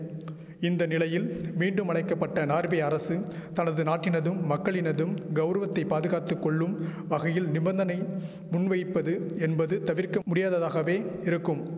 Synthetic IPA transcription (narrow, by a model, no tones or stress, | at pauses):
ɪnd̪ɐnɪlɐjɪlmiːɳɖɯmɐɭɐɪkːɐpːɐʈːɐnaːɾʋeɐɾɐsɯt̪ɐnɐðɯnaːʈːɪnɐðɯmːɐkːɐɭɪnɐðɯmɡɐʊɾɐʋɐt̪ːɐɪpːaːðɯɣaːt̪ːɯkːɔɭːɯmʋɐɣɐjɪlnɪbɐnd̪ɐnɐɪ | mʊnʋɐjɪpːɐðɯɛnbɐðɯt̪ɐʋɪɾkɐmʊɽɪjaːðɐðaːɣɐʋeːɪɾɯkːɯm